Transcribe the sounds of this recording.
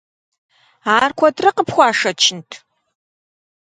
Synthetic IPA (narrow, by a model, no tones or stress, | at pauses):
aːrkʷʰɔtrɐqəpxʷɑːʂɐt͡ʃʰɪntʰ